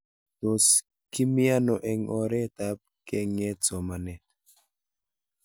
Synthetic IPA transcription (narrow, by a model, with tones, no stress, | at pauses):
t̪o˨s | ki˦mia˦nɔ˨ʔɛ˨ŋɔ˨ɾɛ˦t̪a˨p̚kɛ˦ŋɛ˦t͡sɔ˨ma˨nɛ˨t̪